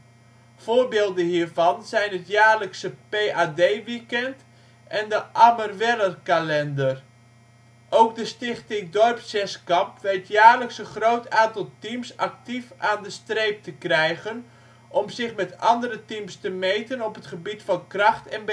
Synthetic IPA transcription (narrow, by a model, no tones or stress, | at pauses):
v̥oːrbeːlˠdənhiːɹvɑnzɛjnətjaːɹləksəpeːʔaːdejʋikɛnt | ʔɛndəʔamərʋɛlərkalɛndər | ʔowkdəstɪχtɪŋdɔrpsɛskɑmpʋɛtjaːrləksənχrowtaːntɑlˠtimsɑk̚tifaːndəstrejp̚təkrɛjɣən | ʔɔmzɪχmɛtɑndəɾətimstəmejtənɔpətχəbitfɑnkrɑχtɛnb